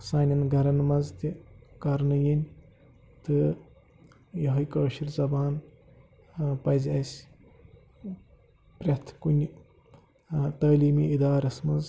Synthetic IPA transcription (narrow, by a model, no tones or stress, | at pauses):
saːnʲɐnɡʱɐɾɐnmɐnzt̪ikɐɾnɨjinʲ | t̪ɨ | jɐɦɐjkɐːʃiɾzɐbaːn | pɐzʲɐsʲ | pɾʲɐt̪ʰkunʲ | t̪ɐːliːmiʔid̪aːɾɐsmɐnz